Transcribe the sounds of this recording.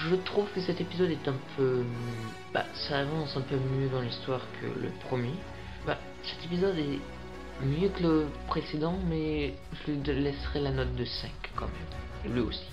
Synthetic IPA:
ʒət̪χuvkəsɛt̪epizɔd̪ɛt̪ɛ̃pʰø | ba̰saːvɑ̃sɛ̃pømjød̪ɑ̃list̪waʁkʰə̰lə̰pχəmje | ba | sɛ̥t̪epizɔd̪ɛ | mjøkələpχesed̪ɑ̃mɛ | ʒəlɥilɛsʁɛlanɔt̪̚d̪əsɛ̃kːɑ̰̃mɛ̰m | elɥio̰si̥

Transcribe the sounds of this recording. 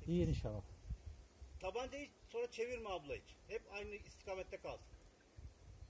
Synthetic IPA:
ijiniʃalːˠa | t̪ʰabant̪ejisonɾat͡ʃʰe̞viɾmaːbulˠajit͡ʃhɛpajnɯist̪ʰi̥kʰaːmɛt̪ːɛkʰalˠsɯ̥n

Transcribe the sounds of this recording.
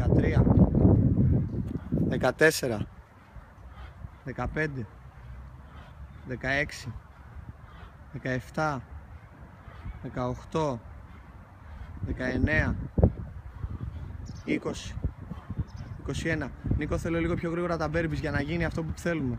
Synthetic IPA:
kɐt̪ɾiɐ | ðe̞kɐt̪e̞se̞ɾɐ | ðe̞kɐpe̞nd̪e̞ | ðe̞kɐe̞ksi | ðe̞kɐeft̪ɐ | ðe̞kɐo̞xt̪o̞ | ðe̞kɐe̞ne̞ɐ | iko̞si̥ | iko̞sie̞nɐniko̞θe̞lo̞liɣo̞pço̞ɣɾiɣo̞ɾɐt̪ɐbe̞ɾbizʝɐnɐʝiniɐft̪o̞p̬uu̥θe̞lume̞

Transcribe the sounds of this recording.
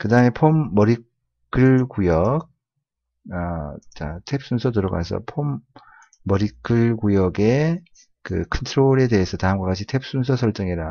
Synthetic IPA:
kɯdaɯme̞pʰomːʌɾik͈ː | ɯɭkujʌk̚ | at͡ɕatʰep̚s͈unsʰʌtɯɾʌɡa̰sʰʌ̰pʰomː | ʌɾik͈ʰːɯɭkujʌɡe̞ | kɯkʰʌntʰɯɾoɾe̞de̞ɦesʰʌtaɯmɡwak͈at͡ɕʰitʰep̚s͈unsʰʌsʰʌɭt͡ɕ͈ʌŋiɾa

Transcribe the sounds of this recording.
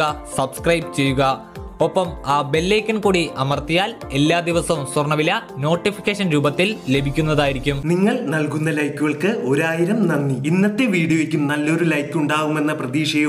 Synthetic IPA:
ɐsɐbskrɐjbt͡ɕe̞jːuɣɐ | o̞pːɐmaːbe̞lːeːkʲːɐnkuːɽiʔɐmɐrt̪ijaːle̞lːaːd̪iʋɐsɐmsɐrɳɐʋilɐno̞ːʈːifi̥kʲːeːʂɐnɾuːbɐt̪ːilːe̞bʱikʲːunːɐðaːjiɾikʲːumniŋːɐɭnɐlkunːɐlɐjkːuɣɐɭkɨo̞ɾaːjiɾɐmnɐnːiinːɐt̪ːeʋiːɽijoikʲːumnɐlːo̞ɾulɐjkːuɳɖaːɣume̞nːɐprɐðiːʂɐjɐ

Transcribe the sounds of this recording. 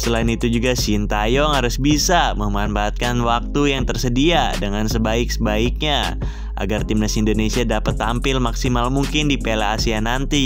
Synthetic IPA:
səlaɪnit̪ud͡ʒuɡasint̪ajɔŋhaɾʊsbisaməmbanbaːt̪̚kanwak̚t̪ujaŋt̪ərsədiadəŋansəbaɪksəbaɪk̚ɲa | ʔa̰ɡart̪imnasindonesiadapət̪ːampɪlmaksimalmuŋkɪndipelaːsianant̪i

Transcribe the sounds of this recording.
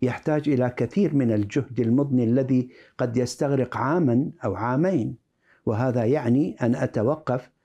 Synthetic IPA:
jaħt̪aːd͡ʒʔɪlakaθiːɾmɪnald͡ʒʊhd̪almʊðˤnilːaðiqɑd̪jast̪aɣɾɪqʕaːmanʔawʕaːmeːn | wɪɦaːðajaʕniʔanʔat̪awɑqːɑf

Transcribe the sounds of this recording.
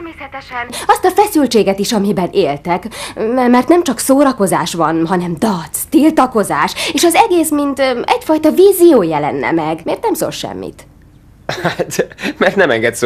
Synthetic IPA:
rmeːsɛt̪ɛʃɛnɒst̪ɒfɛsylt͡ʃeːɡɛt̪iʃɒmibɛnʔeːlt̪ɛkmɛrt̪nɛmt͡ʃɒksoːɾɒko̞zaːʃʋɒnɦɒnɛmd̪ɒt̪st̪ilt̪ɒko̞zaːʃeːʃɒzɛɡeːsmint̪ɛcfɒjt̪ɒviːzijoːjɛlɛ̰nːɛ̰mɛɡmeːrt̪nɛmso̰ːlʃɛ̰mːḭt̪ | at̪mɛrt̪nɛmɛŋɡɛt̪s

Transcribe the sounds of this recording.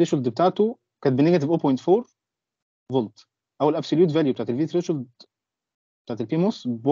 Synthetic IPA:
ɾeʃold̪bet̪aːʕt̪o | kæːnt̪beneɡæt̪evʔoːpojnt̪foːɾ | volt̪ | ʔæwælʔæbsoljuːt̪væljubet̪aʕt̪elviːt̪ɾeʃold̪ | bet̪aʕt̪elpiːmosb

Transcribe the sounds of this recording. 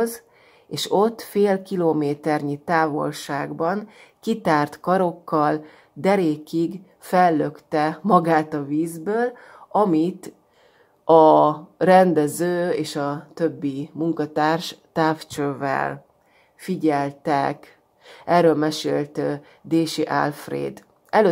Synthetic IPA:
z | eːʃo̞t̪ːfeːlkiloːmeːt̪ɛrɲit̪aːvo̞̰lʃaːɡbɒnkit̪aːrt̪kɒɾo̞kːɒl | d̪ɛɾeːkiɡ | fɛlːøkt̪ɛmɒɡaːt̪ɒviːzbøːl | ɒmit̪ | ɒrɛnd̪ɛzøːeːʃɒt̪øbːimuŋkɒt̪aːrʃt̪aːft͡ʃøvɛ̰l | fiɟɛlt̪ɛ̰k | ɛrːøːlmɛʃḛːlt̪ | d̪eːʃiʔa̰lfrḛːd̪ | ɛlø

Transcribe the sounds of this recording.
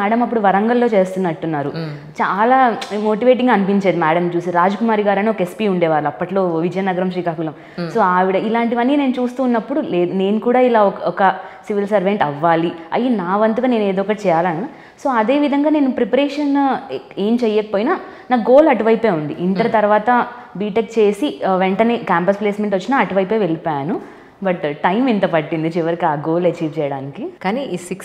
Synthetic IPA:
mɛːɽɐmɐpːuɽuʋɐɾɐŋɡɐlːo̞ːt͡ʃe̞ːst̪unːɐʈːunːaːɾu | t͡ʃaːlaːmo̞ːʈiʋe̞ːʈ̬iŋɡaːnipiɲt͡ʃeːd̪imæːɽɐmt͡ʃuːsiɾaːd͡ʒɐkumaːɾiɡaːɾɐneɔkɐespiːuɳɖɛːʋaːɾluɐpːɐʈlo̞ːʋid͡ʒɐjɐnɐɡɐɾɐmʃʂiːkaːkulɐm | so̞ːaːʋiɽɐilaːɳʈiʋɐnːine̞ːnut͡ʃuːst̪uːnːɐpːuɽule̞ːd̪une̞ːnukuːɽaːilaːɔkɔkɐsiʋilsɐɾʋeɳʈɐʋːaːliɐ̰jːinaːʋɐnt̪uɡane̞ːne̞ːd̪ɔːɔkːɐʈit͡ʃɛːjaːlaːnu | so̞ːɐd̪e̞ːʋid̪ʱɐŋɡaːne̞ːnupɾepɐɾeːʂɐne̞ːmt͡ʃɛjːɐːkɐpoːjinaː | naːɡo̞ːlɐʈuʋɐjpe̞ːund̪iʔiɳʈɐɾɐt̪ɐɾʋaːt̪ɐ | biːʈek̚t͡ʃe̞ːsiʋeɳʈɐneːkaːmpɐsple̞ːsmeɳʈʋɐt͡ʃːinaɐʈuʋɐjpeːʋelipaːjnu | bɐʈʈːɐjmint̪ɐpɐʈːind̪it͡ʃiʋɐɾikiaːɡo̞ːlɐt͡ʃiːʋt͡ʃɛːjɐɽaːnikikaːniːʔisiks

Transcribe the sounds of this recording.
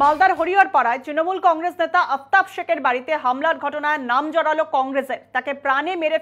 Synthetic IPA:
mald̪aɾɦoɾioɾpaɽaet̪ɾinomulkɔŋɾesnet̪aʔəp̚t̪abʃekeɾbaɾit̪eɦamlaɾɡʱɔʈonaenamd͡ʑɔɽalokɔŋɡɾeseɾt̪akepɾanemeɾe

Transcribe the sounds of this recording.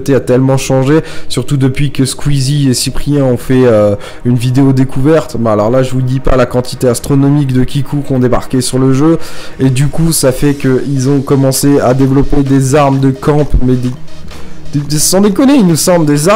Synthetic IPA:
t̪eat̪ɛlmɑ̃ʃɑ̃ʒesyʁt̪ud̪əpɥikəskwiziesipχijɛ̃ɔ̃fɛø | ynvid̪eod̪ekʰuvɛʁt̪bɛ̃alɔʁlaʒəvud̪ipa̰lakɑ̃t̪ʰi̥t̪east̪χɔnɔmikd̪əkʲikʰukɔ̃d̪eba̰ʁkʲesyʁləʒøed̪ykusafɛkəilzɔ̃kɔmɑ̃sead̪evlɔped̪ezaʁmd̪əkɑ̃pmɛd̪e | d̪sɔ̃d̪ekɔneilnusɑ̃bld̪eza

